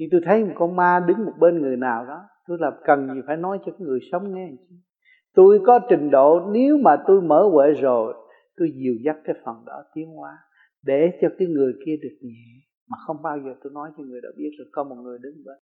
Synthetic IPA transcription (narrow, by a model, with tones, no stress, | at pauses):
ɲɨ˧t̪u˧jt̪ʰə˨˦jʊ˨˩kɔ˧˦maː˧ɗɨ˨˦ŋmo˨˩t̚ɓe˧nŋɨ˨˩əjnaː˨˩wɗɔ˨˦t̪u˧jlaː˨˩kə˨˩nɲi˨˩faː˧˩jnɔ˨˦jt͡ɕɔ˧kaː˨˦jŋɨ˨˩əjsə˨˦wŋ͡mŋɛ˧˨˩t͡ɕi˨˦ | t̪u˧jkɔ˨˦tï˨˩ŋ̟ɗo̰˧˨ne˨˦wmaː˨˩t̪u˧jməː˧˦we˧˨zo˨˩j | t̪u˧jzi˨˩əwza˦˥t̚kaː˨˦jfə˨˩nɗɔ̰˨˦t̪i˨˦əŋhwaː˨˦ | ɗe˧˩t͡ɕɔ˧kaː˨˦jŋɨ˨˩əjki˧əɗɨ˨˩ək̚ɲɛ˨˩˨ | maː˨˩xə˧wŋ͡mɓaː˧wzəː˨˩t̪u˧jnɔ˨˦jt͡ɕɔ˧ŋɨ˨˩əjɗɔ̰˨˦ɓi˦˥ət̚za˨˩kɔ˨˦mo˨˩t̚ŋɨ˨˩əjɗɨ˨˦ŋɗə̰˧˨˦